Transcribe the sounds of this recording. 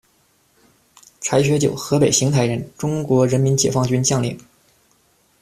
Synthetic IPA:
t͡sʰa˧˥ɪɕ̬ɥɛ˧˥t͡ɕjo˨˩ʊxɤ˧˥pe˨˩ɪɕi˧˥ŋt̪ʰa˧˥ɪɻə˧˥nʈ͡ʂʊ˥ŋkwɔ˧˥ɻə˧˥nmi˧˥nt͡ɕjɛ̰˨˩fɑ˥˩ŋt͡ɕy˥nt͡ɕjɑ˥˧ŋlḭ˥˩˦

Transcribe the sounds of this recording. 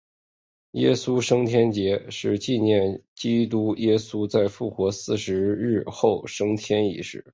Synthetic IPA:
jɛ̰˥su˥ʂɤ˥ŋt̪ʰjɛ˥nt͡ɕjɛ˧˥ʂɻ̩˥˧t͡ɕi˥˧njɛ˥˩nt͡ɕi˥t̪̬u˥jɛ˥su˥t͡sa˥˧ɪfu˥˩xwɔ˧˥sɹ̩˥˩ʂɻ̩˧˥ɻɻ̩˥˧xo˥˩ʊʂɤ˥ŋt̪ʰjɛ˥nḭ˨˩˦ʂɻ̩˥˩

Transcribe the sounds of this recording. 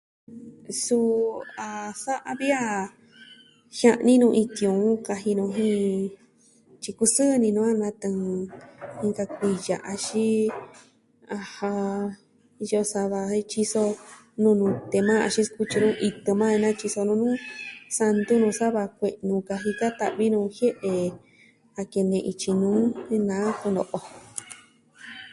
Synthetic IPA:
su˧a˧˨sa˦ʔa˧βi˦a˦˧ | hjã˧ʔnĩ˦nũ˧ʔi˧t̪ĩ˧ũ˨˦ka˧ɦi˧nõ˧ɦĩ˦ | t͡ʃi˧ku˧sɨ˦˨˧nĩ˧nũ˧˦a˦nã˧t̪ɨ̃˧˨˧hĩ˧ka˧kʷi˧ja̰˨ʔa˧ʃi˦ | a˧ha˧ | i˧jo˧sa˧βa˧i˧t͡ʃi˧so˧ | nũ˧nũ˧t̪e˧mã˦a̰˧ʃi˦ku˧t͡ʃi˧nũ˦ʔi˧t̪ɨ˧mã˦ĩ˧nã˦t͡ʃi˧so˧nũ˧nũ˦sa˧nd̪u˦nũ˧sa˦βa˧kʷe˧˨ʔnũ˧ka˧ɦi˧ka˦t̪a˧ʔβi˦nũː˧hje˦ʔe˧ | a˧ke˧nẽ˧ʔi˧t͡ʃi˧nũː˦˧nã˨˦ku˧no˧˨ʔo˧

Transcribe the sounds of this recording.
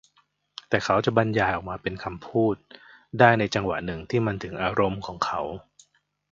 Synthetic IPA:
t̪ɛː˨˩kʰa˦˥wt͡ɕa˨˩ʔba˧njaː˧ʔɔː˨˩k̚maː˧pe˧nkʰa˧mpʰuː˥˩t̪̚daː˥˩jna˧jt͡ɕa˧ŋwa̰˨˩nɯ˨˩ŋt̪ʰiː˥˩ma˧nt̪ʰɯ˩˦ŋʔaː˧ɾo˧mkʰɔː˩˦ŋkʰa˦˥w

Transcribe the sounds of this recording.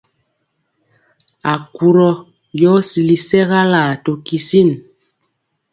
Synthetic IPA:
a˨ku˦ɾɔ˦ | jɔ˦si˨li˨sɛ˦ɣa˦la˨to˨ki˨si˦˨n

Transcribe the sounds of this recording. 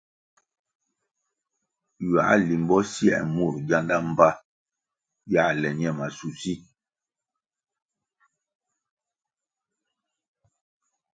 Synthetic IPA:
ja̰˨ʔli˨mbɔ˦sjɛ̰˨mu˦˨ɾɡa˦nda˦m̩˦ba˦ | ja˦˨lɛ˨ɲ˦ɛ˦˨ma˨su˨si˦

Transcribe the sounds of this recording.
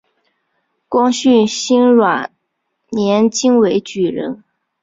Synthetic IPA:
kʊ˥ŋɕy˥˩nɕi˥nɻwa˨˩n | njɛ˧˥nt͡ɕʰi˥ŋwe˧˥ɪt͡ɕy˨˩ɻə̰˧˥n

